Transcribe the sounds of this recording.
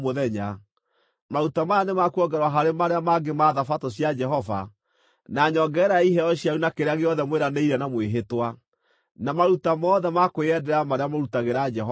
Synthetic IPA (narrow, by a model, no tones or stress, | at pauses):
moðɛɲa | maɾutamajanemakuɔɡɛɾwaɦaɾemaɾeamaɡemaːðafatɔɕjad͡ʒɛɦɔva̰ | naɲɔɡɛːɾaiɦɛɔɕjaunakeɾeaɣeɔðɛmweɾaneiɾɛnamweɦetwa | namaɾutamɔːðɛmakojɛdɛɾamaɾeamaɾutaɣeɾad͡ʒɛɦɔ